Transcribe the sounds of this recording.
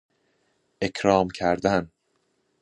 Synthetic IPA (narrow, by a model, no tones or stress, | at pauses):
ʔe̞cʰɾɒːmcʰæɾd̪æn